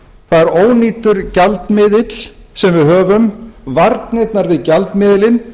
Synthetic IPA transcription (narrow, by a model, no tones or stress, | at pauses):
θaðɛɾoːwniːt̪ʏɾcalt̪mɪðɪt̪l̥sɛmvɪðɦœːvʏmvaɾt̪nejt̪naɾvɪðcalt̪mɪːðlɪn